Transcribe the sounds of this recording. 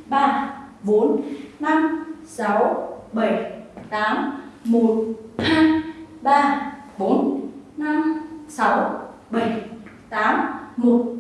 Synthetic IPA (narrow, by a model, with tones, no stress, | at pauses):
ɓaː˧ɓo˨˦nna˧msa˨˦wɓə˧˩jt̪aː˨˦mmo˨˩t̚ha˧jɓaː˧ɓo˨˦nna˧msa˨˦wɓə˧˩j | t̪aː˨˦mmo˨˩t̚